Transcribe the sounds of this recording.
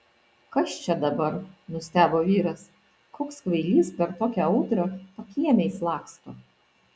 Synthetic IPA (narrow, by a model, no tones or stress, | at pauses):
kɐst͡ʃʲɛd̪ɐbɐɾnʊsʲt̪ʲæːboːʋʲiːɾɐs | koːkskʋɐɪlʲiːspʲɛɾt̪oːkʲɛɐʊt̪ɾɐpɐkʲiɛmʲɛɪslˠɑːkst̪oː